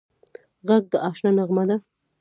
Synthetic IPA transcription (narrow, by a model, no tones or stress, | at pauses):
ɣaɡ̚d̪əʔɑʃnɑnaɣmad̪a